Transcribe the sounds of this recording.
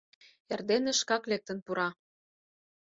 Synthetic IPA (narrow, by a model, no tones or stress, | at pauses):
erd̪enĕʃkɑklek̚t̪ə̆npuɾɑ